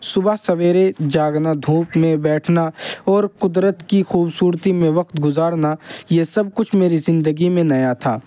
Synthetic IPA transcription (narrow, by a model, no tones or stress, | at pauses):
sʊbaɦsɐʋeːɾed͡ʒaːɡnad̪ʱũːpmẽbɛːʈʰnaɔːɾqʊd̪ɾət̪kixuːbsuːɾt̪imẽʋɐqt̪ɡʊzaːɾnajesɐb̚kʊt͡ʃʰmeːɾizɪ̃nd̪əɡimẽnɐjat̪ʰa̰ː